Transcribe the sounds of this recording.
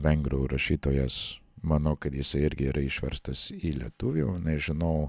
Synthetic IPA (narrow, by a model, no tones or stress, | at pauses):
ʋʲɛŋɡɾoɾɐʃʲiːt̪oːjɛsmɐnɐʊkɐt̪jɪsɐɪɪɾʲɡʲɪiːɾʔɐɪʃʲʋʲɛ̰ɾst̪ɐsiːlʲiɛt̪ʊʋʲunʲɛʒʲɪnɐʊ